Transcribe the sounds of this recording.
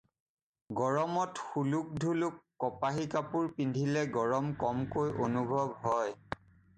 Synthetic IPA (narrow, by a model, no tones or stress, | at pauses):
ɡɔɹɔmɔtxuluk̚dʱulukːɔpaɦikapuɹpindʱilɛɡɔɹɔmkɔmkojʔonubʱɔbɦɔj